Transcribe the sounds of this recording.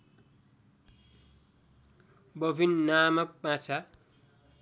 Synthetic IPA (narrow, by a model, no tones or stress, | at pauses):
bʌbʱinnamʌk̚pãt͡sʰa